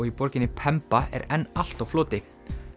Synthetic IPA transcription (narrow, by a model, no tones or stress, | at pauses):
ɔɣipɔɾcɪnːɪpʰɛmpaɛ̰ɾɛnːal̥t̪awfloːt̪ɪ